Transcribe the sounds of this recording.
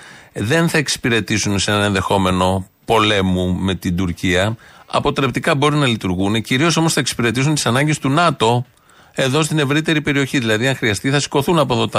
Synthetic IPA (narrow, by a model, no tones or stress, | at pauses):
ðe̞nθɐe̞ksi̥piɾe̞t̪isunsenɐe̞nðe̞xo̞me̞no̞po̞le̞mume̞t̪id̪uɾciɐɐ̰po̞t̪ɾe̞pt̪ikɐbo̞ɾinɐlit̪uɾɣuneciɾioso̞mo̞sθɐeksi̥piɾe̞t̪isunt̪i̥sɐnɐɲɟe̞st̪unɐt̪o̞ | e̞ðo̞st̪ine̞vɾit̪e̞ɾipe̞ɾio̞çiðilɐðiɐŋxɾiɐst̪iθɐsi̥ko̞θunɐpo̞ðo̞t̪ɐ